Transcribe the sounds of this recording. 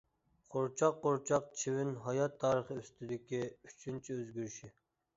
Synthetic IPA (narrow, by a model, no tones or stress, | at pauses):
qʰoɾt͡ʃʰɑqːoɾt͡ʃʰɑq̚t͡ʃʰewɪnɦɑjɑt̪ʰːɑːɾəχəyst̪ʰyd̪ɪkʲʰiyt͡ʃʰynt͡ʃʰɛøzɡʲyɾʃi